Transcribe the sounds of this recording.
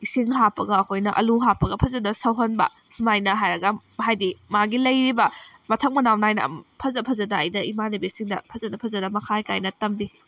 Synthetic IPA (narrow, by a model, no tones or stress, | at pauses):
isiŋɦapːɐɡɐːkʰojnɐʔɐ̰luɦapɐɡɐpʰɐzɐdɐsɐwɦɐnbɐ̰ | simajnɐɦajɾɐɡɐhajdimaɡilɐjɾibɐ | mɐtʰɐk̚mɐnawnajnɐ̰pʰɐzɐpʰɐzɐdɐːjdɐimanibisiŋdɐ̰pʰɐzɐdɐpʰɐzɐdɐmɐkʰajkajnɐtɐmbi